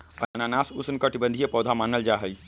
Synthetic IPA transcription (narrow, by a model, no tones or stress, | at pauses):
ɐnanaːsʊsnkɐʈɪbə̃nd̪ʱijepɔːd̪ʱamaːnəld͡ʒaːɦəi